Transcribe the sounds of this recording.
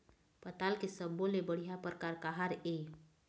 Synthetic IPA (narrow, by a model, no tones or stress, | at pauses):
pət̪alkesəbolebəɽ̤ijapəɾkaɾkaɦaɾe